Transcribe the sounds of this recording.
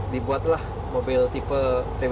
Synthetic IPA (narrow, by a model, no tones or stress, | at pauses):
dibuat̪̚lah | mobɪlt̪ipəse